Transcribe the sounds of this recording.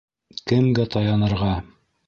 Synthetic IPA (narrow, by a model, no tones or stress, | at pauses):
kɘmɡæt̪ɑjɑnɤ̆ɾʁɑ